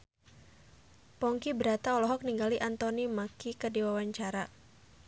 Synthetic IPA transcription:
pɔŋkibəɾat̪aɔlɔɦɔk̚niŋɡaliʔant̪ɔnimakikərdiwawaɲt͡ʃaɾa

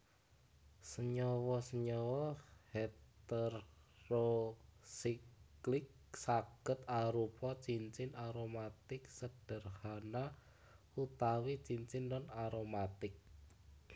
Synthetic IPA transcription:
səɲɔwɔsəɲɔwɔhet̪ɛrːosikklɪk̚ | saɡ̥ə̤t̪aɾupɔt͡ʃiɲt͡ʃɪnaɾomat̪ɪk̚səɖ̥ə̤rhana | ut̪awit͡ʃiɲt͡ʃɪnːɔnaɾomat̪ɪk̚

